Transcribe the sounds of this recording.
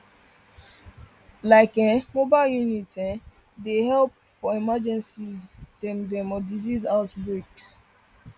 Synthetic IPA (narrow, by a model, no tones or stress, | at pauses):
laɪkɛ̃mobaɪljunitɛ̃ | dehɛlp̚ | fɔimad͡ʒɛ̃nsizd̥ɛ̃mdɛ̃mɔdizizaʊtbɹiks